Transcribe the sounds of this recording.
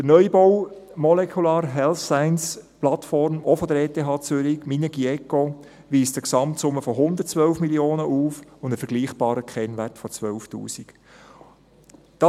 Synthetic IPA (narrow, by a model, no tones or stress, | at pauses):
d̥ənœʏbɔw | mɔlɛkʰulɑːɾɦɛlsæɪnsplɑtfɔɾmɔfɔd̪əɾeːtʰeːɦɑːt͡sʏɾɪkminəɡiɛkːo | ʋiːstəksɑmtsʊmːəfɔɦʊnd̪əɾt̚t͡sʋœlfmiljoːnəʔuːfʊndəfəɾɡ̥liːχb̥ɑːɾəkʰɛnʋæɾtfɔt͡sʋœlftṵːsik | d̥ɑ